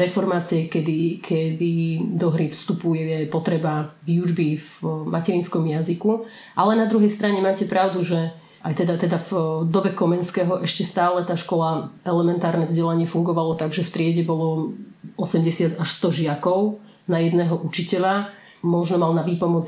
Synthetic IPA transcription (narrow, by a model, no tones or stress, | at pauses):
ɾɛfɔɾmaːt͡siɛkɛd̪ikʰɛd̪id̪ɔɦɾifst̪upujɛjɛpɔt̪ɾɛbavjuʒbivmʔacɛɾinskɔmjaziku | ʔalɛnad̪ɾuɦɛjst̪ɾaɲɛmaːcɛpɾaʊd̪uʒɛ | ʔajt̪ɛd̪at̪ɛd̪avd̪ɔbɛkɔmɛnskɛːɦɔʔɛʃcɛst̪aːlɛt̪aːʃkɔlaʔɛlɛmɛnt̪aːɾnɛvzɟɛlaɲɪɛfuŋɡɔʋalɔt̪aɡʒɛft̪ɾɪɛɟɛbɔlɔ | ɔsɛmɟɛsɪad̪aʃst̪ɔʒɪakɔʊ | najɛd̪nɛːɦɔʔut͡ʃicɛʎa | mɔʒnɔmalnaʋiːpɔmɔt͡s